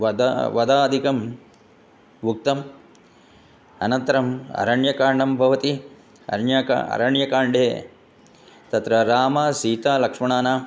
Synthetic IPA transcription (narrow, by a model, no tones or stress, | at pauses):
ʋɐd̪ʋɐd̪aːd̪ʱikɐm | ʋuk̚t̪ɐm | ɐ̰nɐnt̪ɐɾɐmɐ̰ɾɐɳjɐkaːɾɳɐmbʱɐʋɐt̪i | ɐ̰ɳjakɐ̰ɾɐɳjɐkaːɳɖeː | t̪ɐt̪ɾɐɾaːmaːsiːt̪aːlɐkʂmɐɳaːnaː